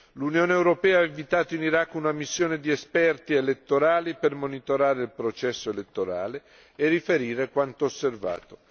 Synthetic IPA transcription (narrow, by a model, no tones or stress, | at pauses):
lunjoːneewɾopɛːaeɱvit̪aːt̪oiniɾakːunamisːjoːned̪iespɛrt̪ielet̪ːoɾaːlipermonit̪oɾaːɾeilpɾot͡ʃɛsːoelet̪ːoɾa̰ːle | erːifeɾiːɾekwant̪oːsːerva̰ːt̪o